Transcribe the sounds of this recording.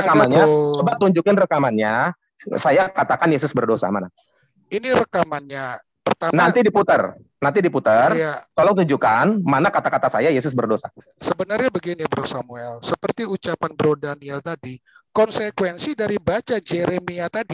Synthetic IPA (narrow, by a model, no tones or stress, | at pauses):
rəkamanɲat͡ʃobat̪uɲd͡ʒukɪnrəkamanɲa | sajakat̪akanjesʊsbərdosa̰ma̰na | iniɾəkamanɲa | pərt̪anant̪idiput̪ər | nant̪̬idiput̪ərjakalot̪uɲd͡ʒukanmanakat̪akat̪asajajes̬ʊs̬bərdosa | səbənarɲabəɡinibəɾasamuɛlsəpərt̪iut͡ʃapanbəɾodaniɛlt̪adikɔnsekwɛnsidaɾibat͡ʃad͡ʒeɾemiat̪adi